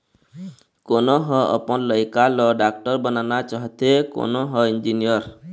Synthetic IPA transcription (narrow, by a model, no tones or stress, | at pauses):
konoɦɔɔ̰pɔnlɔjkalɔɖak̚ʈɔɾbənanat͡ʃaɦt̪eko̰noɦɔind͡ʒinijɔɾ